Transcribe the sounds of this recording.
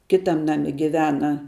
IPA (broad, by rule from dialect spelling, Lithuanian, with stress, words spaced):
ˈkʲɪtɐm ˈnɑːmʲɪ ɡʲɪˈʋʲæːnɐ